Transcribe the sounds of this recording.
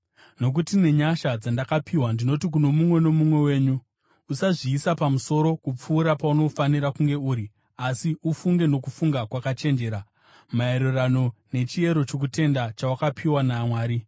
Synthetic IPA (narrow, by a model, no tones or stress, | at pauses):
no̞k̬utine̞ɲaʃad͡zandakapʰiwandino̞tik̬uno̞mumwe̞no̞mumwe̞we̞ːɲu | usaʐiːsapamuso̞ɾo̞kup͡fuːɾapauno̞faniɾakuŋɡe̞uːɾi | asiufuŋɡe̞no̞kufuŋɡakwakat͡ʃe̞nd͡ʒe̞ːɾa | mae̞ɾurano̞ne̞t͡ʃie̞ɾo̞t͡ʃo̞k̬ute̞ndat͡ʃawakapʰiwanamwaːɾi